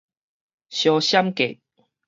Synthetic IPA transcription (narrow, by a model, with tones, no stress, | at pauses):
ɕjɔ˨ɕa˦mkḛ˨